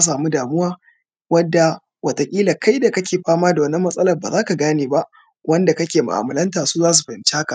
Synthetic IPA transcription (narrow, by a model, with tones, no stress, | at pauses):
a˦s̬aː˨mu˦daː˨mʊ˦waː˦ | wɐ˦dːa˨ | wɐ˨tɐ˨kʲʼiː˦la˨ka˦jda˨kɐ˦kʲeː˨ɸaː˦maː˦da˨wɐ˨˦nːɐ˦mːɐ˦sʼɐ˦lɐ˨baː˨zaː˦ka˨ɡaː˦neː˨ba˦ʔ | wɐ˦nda˨kɐ˦kʲeː˨ma̰˨ʔa̰ː˨mɐ˨lɐ˦ntaː˨suː˦zaː˦s̬u˨ɸɐ˨ɪ˨nt͡ʃi˦ha˦ka˨ʔ